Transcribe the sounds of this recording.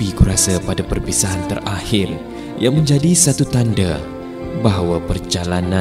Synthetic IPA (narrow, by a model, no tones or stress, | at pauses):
ikuɾasapadapərpisaant̪ərahɪr | jaŋməɲd͡ʒadisat̪ut̪anda | baɦwapərd͡ʒalana